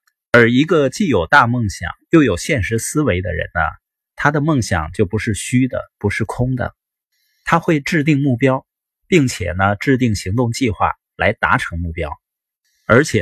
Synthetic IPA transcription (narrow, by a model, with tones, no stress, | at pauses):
ə˞˧˥i˧˥ɡə˧t͡ɕi˥˩jo˨˩ʊt̪a˥˧mɤ˥˩ŋɕjɑ̰˨˩ŋjo˥˩ʊjo˨˩ʊɕjɛ˥˩nʂɻ̩˧˥sɹ̩˥we˧˥ɪd̪ə̰˧ɻə̰˧˥nnə̰˧ | t̪ʰa˥d̪ə˨mɤ˥˩ŋɕjɑ̰˨˩ŋt͡ɕjo˥˩ʊpu˧˥ʂɻ̩˥˩ɕy˥d̪ə̰˨˩pu˧˥ʂɻ̩˥˩kʰʊ˥ŋd̪ə̰˩ | t̪ʰa˥xwe˥˧ɪʈ͡ʂɻ̩˥˧t̪i˥˧ŋmu˥˩pjɑ˥ʊ | pi˥˩ŋt͡ɕʰjɛ̰˨˩nə˦ʈ͡ʂɻ̩˥˧t̪i˥˩ŋɕi˧˥ŋt̪ʊ˥˧ŋt͡ɕi˥˧xwa̰˥˩ | la˧˥ɪt̪a̰˧˥ʈ͡ʂʰɤ˧˥ŋmu˥˩pjɑ˥ʊ | ə˞˧˥t͡ɕʰjɛ˨˩